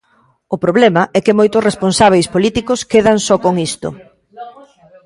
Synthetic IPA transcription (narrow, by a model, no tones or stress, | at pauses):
ʊpɾoβlemɐʔɛkɪmojt̪ʊsresponsaβ̞ejspolit̪ikʊskeðɐŋsɔkoŋist̪o̰